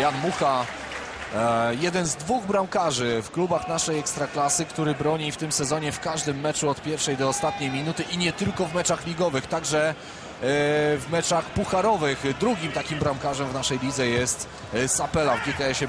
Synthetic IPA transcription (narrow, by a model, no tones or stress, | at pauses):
janmuxa | jɛd̪ɛnzd̪vuɣbɾawkaʐɘfklubaxnaʂɛjɛkst̪ɾaklasɘkt̪uɾɘbɾɔɲift̪ɘmsɛzɔɲɛfkaʐd̪ɘmːɛt͡ʂuɔt̪pʲjɛɾfʂɛjd̪ɔːst̪at̪̚ɲejmʲinut̪ɘʔiɲɛt̪ɘlkɔvmɛt͡ʂaxlʲiɡɔvɘxt̪aɡʐɛ | vmɛt͡ʂaxpuxaɾɔvɘxd̪ɾuɡʲimt̪akʲimbɾamkaʐɛmvnaʂɛjlʲid̪zɛjɛst̪ | sapɛlavɡʲɛkɛɛɕɛ